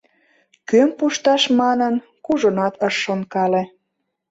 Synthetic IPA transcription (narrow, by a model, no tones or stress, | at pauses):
kømpuʃt̪ɑʃmɑnən | kuʒonɑt̪ʰəʃːonkɑlĕ